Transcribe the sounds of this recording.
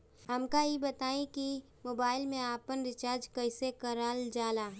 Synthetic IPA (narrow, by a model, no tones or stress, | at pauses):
ɦɐmkaibɐt̪aːĩki | moːbaːɪlmẽaːpənɾɪt͡ʃaːɾd͡ʒkɐɪsekɐɾaːld͡ʒaːlaːɦ